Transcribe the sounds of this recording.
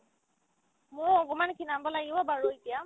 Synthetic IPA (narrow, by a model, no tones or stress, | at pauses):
mʊ̃ɔɡɔmankʰinambɔlaɡibabaɹuitija